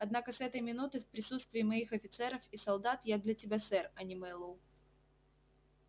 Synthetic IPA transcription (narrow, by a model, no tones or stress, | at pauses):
ɐd̪nakəsɛt̪əjmʲɪnut̪ɨfpɾʲɪsut̪st̪vʲɪːmɐixɐfʲɪt̪sɛɾəfisɐlˠd̪at̪jad̪lʲɐtʲɪbʲasɛrɐnʲɪmɛlˠu